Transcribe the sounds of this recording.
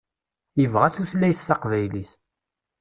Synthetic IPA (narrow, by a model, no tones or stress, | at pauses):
jəvʁæθuθlːæjθːɑqvæjlis